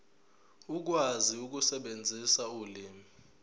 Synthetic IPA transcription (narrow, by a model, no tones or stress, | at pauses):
uk̬waziuk̬usɛɓend͡zʱisauliːmi